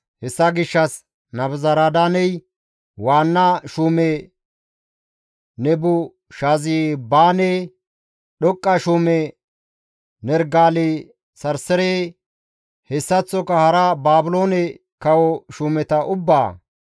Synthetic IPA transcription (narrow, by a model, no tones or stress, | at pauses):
hɛsːɐɡɪʃːɐs | nɐbzɐɾad̪anɛj | waːnːɐʃuːmɛ | nɛbʊ | ʃaziːbaːnɛ | ɗɔkʼːɐʃuːmɛ | nɛɾɡaːle | sɐɾsɛɾeː | hɛsːɐt͡sːɔkɐhɐɾɐbaːbʊloːnɛ | kɐwɔʃuːmɛt̪ɐʔʊbːaː